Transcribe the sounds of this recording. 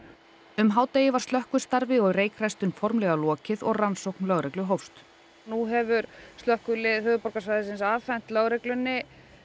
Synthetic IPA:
ʏmɦaːwt̪ejɪvaɾ̥st̪œhkʏ̥st̪aɾvɪɔɣreːjkɾajst̪ʏnfɔɾmlɛɣalɔːcɪðɔɣransowknlœɣɾɛklʏɦowfst̪ | nuɦɛvʏɾst̪œhkʏlɪðhœːðʏpɔɾkasvajðɪsɪnsaːθɛn̥t̪lœɣɾɛklʏnːɪ

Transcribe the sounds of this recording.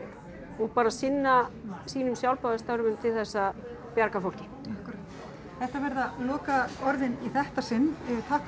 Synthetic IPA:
ɔɣpaːɾasɪnːasiːnʏmsjawlpaðast̪awɾʏmʏmt̪ʰɪlθɛsːa | pjaɾkafowl̥cɪ | ahkɾat̪ | θɛht̪avɛɾðalɔːkaɔɾðɪniθɛht̪asɪnːt̪ʰaːhk

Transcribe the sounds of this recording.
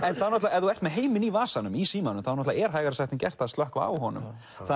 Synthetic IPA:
ɛnθaðnɔht̪laɛðuɛr̥t̪mɛðɦeːjmɪnivaːsanʏmisiːmanʏmθaðnɔht̪laɛɾ̥ɦaːjɣaɾsaht̪ɪncɛr̥t̪aðst̪œhkvaa̰whɔnʏ̰m | θa

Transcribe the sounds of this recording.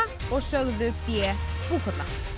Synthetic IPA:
ɔɣsœɣðʏpjɛpuːkʊɾla̰

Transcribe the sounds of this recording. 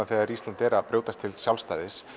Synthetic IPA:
aθɛɣaɾist̪ant̪ɛɾapɾoːwt̪ast̪ʰɪlsjawlst̪a̰ːjðɪs

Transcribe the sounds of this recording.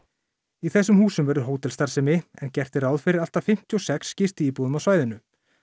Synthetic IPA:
iθɛsːʏmhuːsʏmvɛɾðʏɾɦoːwt̪ɛlst̪aɾ̥sɛmɪɛ̰ncɛr̥t̪ɪɾawðfɪɾɪɾalt̪afɪm̥t̪ʰiɔsɛksːcɪst̪iiːpuðʏmawsvaːjðɪnʏ

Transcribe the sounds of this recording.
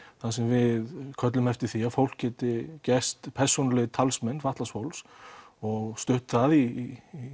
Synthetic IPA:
θas̬ɛmvɪðkʰœt̪lʏmɛft̪ɪɾ̥θiafowl̥kcːɛːt̪ɪcɛst̪pʰɛɾ̥sonlɪɣt̪ʰalsmɛnːfaht̪lasfowlsɔɣst̪ʏht̪ʏ̥θaði

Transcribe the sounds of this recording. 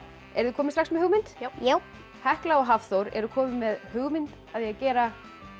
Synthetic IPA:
ɛɾðʏkʰɔːmɪst̪ɾaxksmɛðhʏɣmɪnt̪jaw | hɛhklaɔɣɦafθowɾɛ̰ɾʏkʰɔːmɪmɛðhʏɣmɪnt̪ | aðjɛacɛːɾa

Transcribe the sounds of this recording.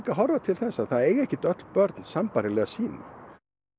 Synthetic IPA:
kaɦɔɾvat̪ʰɪlθɛsːaθaðeːjɛhcɪt̪œt̪l̥pœɾt̪nsampaɾɪlɛɣasiːna̰

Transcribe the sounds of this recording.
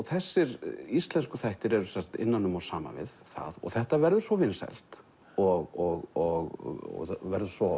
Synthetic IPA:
ɔɣθɛsːɪɾist̪lɛnskʏθajht̪ɪɾɛɾʏsar̥t̪ɪ̰nːanːʏmɔsaːma̰vɪ̰ðθa̰ðɔ̰ɣθɛht̪avɛɾðʏ̥svɔvɪnsɛ̰l̥t̪ | ɔɣɔɣɔɣɔ̰vɛɾðʏsvɔ

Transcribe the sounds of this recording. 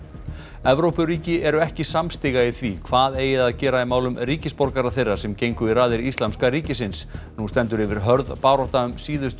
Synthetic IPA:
ɛvɾowpʏɾiːcɪɛɾʏɛhcɪsamst̪ɪɣaiθvikʰvaːðeːjɪðaðcɛːɾaimaːwlʏmɾiːcɪspɔɾkaɾaθejrːḁsɛmcejŋkʏiɾaːðɪɾist̪lamskaɾiːcɪsɪnsnust̪ɛnt̪ʏɾɪvɪɾ̥ɦœɾðpaːwɾɔht̪aʏmsiːðʏst̪

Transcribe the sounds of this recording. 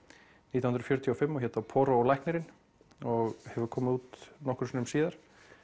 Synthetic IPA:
nit̪awhʏnɾfjœɾt̪ʰiafɪmːɔçɛːt̪apʰɔːɾɔːlajhknɛɾɪn | ɔɣhɛvʏɾkʰɔːmɪuːt̪nɔhkɾʏ̥sinʏmsiːðaɾ̥

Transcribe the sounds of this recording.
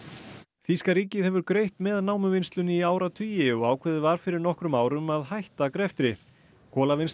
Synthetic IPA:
θiskaɾiːcɪðhɛvʏɾkɾejht̪mɛðnaːwmʏvɪnst̪lʏnɪiaːwɾat̪ʰyːjɪɔɣaːwkʰvɛːðɪvaɾ̥fɪɾɪɾnɔhkɾʏmaːwɾʏmaðhajht̪akɾɛft̪ɾɪ | kʰɔːlavɪns

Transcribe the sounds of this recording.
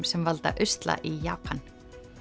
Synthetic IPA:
msɛmvalt̪a̰ʔʏst̪la̰ʔijaːpʰan

